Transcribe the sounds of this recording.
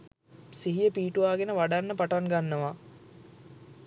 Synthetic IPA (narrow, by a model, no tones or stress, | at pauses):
siɦijəpiːʈuʋaːɡenəʋaɖanːəpaʈaŋɡanːəʋa